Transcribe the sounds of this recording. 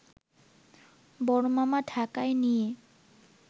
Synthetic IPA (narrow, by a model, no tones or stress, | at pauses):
bɔɽomamaɖʰʱakaenije